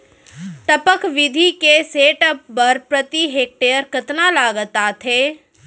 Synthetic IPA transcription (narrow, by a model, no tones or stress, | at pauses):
ʈ̪əpəkʋɪd̪ʱikeseːʈəp̚ːəɾpɾət̪iɦeːk̚ʈeːjəɾkət̪nalaːɡət̪at̪ʰeː